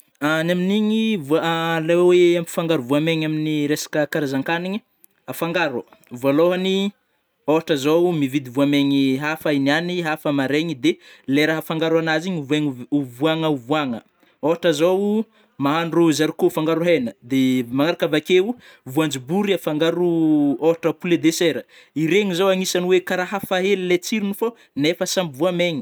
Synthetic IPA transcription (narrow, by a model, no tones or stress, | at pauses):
anaminiɲivulaweamfaŋɡaɾuvuameɲaminiɾesḁkəkaɾazaŋkaniɲi | afaŋɡaɾəvualoɦani | oɦaʈ͡ʂazowmivid̪ivuameɲiɦafainianiɦafəmaɾeɲid̪eleɾaɦəfaŋɡaɾwanaziɲuvueŋuvuaŋəuvuaŋə | oaʈ͡ʂəzow | maɦanrozaɾikofaŋɡaɾuɦenəd̪emaŋaɾakavakeu | vuand͡ʒibuɾiafaŋɡaɾuoɦaʈ͡ʂəpuled̪eseɾə | iɾeɲizowaŋisanwekaɾaɦafaɦelilet͡siɾinufo | nefəsambivuameɲi̥